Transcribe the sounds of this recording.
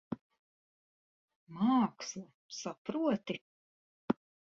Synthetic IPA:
maːkslˠa | sapɾuɔt̪i

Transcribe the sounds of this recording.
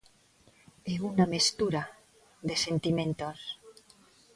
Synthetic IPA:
eunamest̪uɾa | ðesent̪imẽnt̪os

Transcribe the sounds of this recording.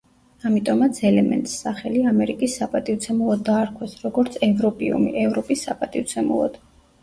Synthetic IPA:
amit̪ʼɔmat̪sʰɛlɛmɛ̰nt̪ʼsːaχɛliamɛɾikʼisːapʼat̪ʼivt̪sʰɛmulˠɔd̪ːaːɾkʰwɛsɾɔɡɔɾt̪sʰɛvɾɔpʼḭṵmḭʔɛvɾɔpʼisːa̰pʼat̪ʼivt̪sʰɛmṵlˠɔ̰d̪̥

